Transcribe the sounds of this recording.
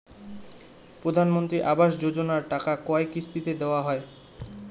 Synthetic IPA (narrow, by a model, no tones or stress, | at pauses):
pɾod̪ʱanmont̪ɾiʔabaʃ̬d͡ʑod͡ʑonaɾʈakakɔekːist̪it̪ed̪eoaɦɔe